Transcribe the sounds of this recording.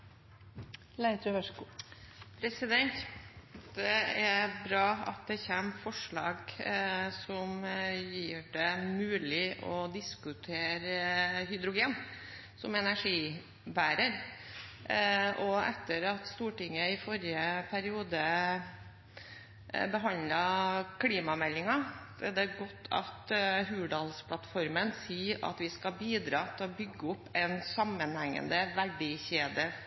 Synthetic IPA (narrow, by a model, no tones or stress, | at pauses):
læɪət̪ʰɾʉʋæʂkupʰɾɛsɪd̪ɛnt̪ | d̪ɛæɾbɾɑːɑ̰t̪̚d̪ɛçɛmfɔʂɭɑːɡ | sɔmjiːɖɛmʉːlɪʔɔd̪ɪskʉt̪ʰeːɾəhʏd̪ɾʊɡeːn | sɔmɛnæʂiː | bæːɾəɾ | ɔɛt̪ːəɾɑt̪st̪uːʈɪŋːəɪfɔɾɪəpʰæɾɪuːd̪ə | bəɦɑnd̪ləkʰliːmɑmɛlːɪŋɑʋɪld̪ɛɡɔt̪ʰːɑ̰t̪ɦʉːɖɑlspʰlɑt̪fɔɾmənsiːɑ̰t̪ʋɪskɑbiːd̪ɾɑːt̪ʰɪlɔbʏɡːəʊpːɛnsɑmːənhæŋːə̰nd̪əʋæɖɪçeːd̪ə